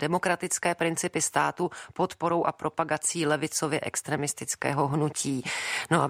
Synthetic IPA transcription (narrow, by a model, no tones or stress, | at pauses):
d̥ɛmo̞kɾat̪ɪt͡skɛːpɾɪnt͡sɪpɪst̪aːt̪upo̞t̪po̞ɾo̞wʔa̰pɾo̞paɡat͡siːlɛvɪt͡sovjɛʔɛ̰kst̪ɾɛːmɪst̪ɪt͡skɛ̰ːɦo̞ɦnuciːnoʔa